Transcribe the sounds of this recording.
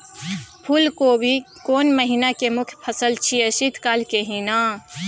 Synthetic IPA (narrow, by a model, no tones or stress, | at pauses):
pʰulkobʱi | koːnməɦinakemʊkʰjpʰəsəlt͡ʃʰiesit̪kaːlkeɦinaː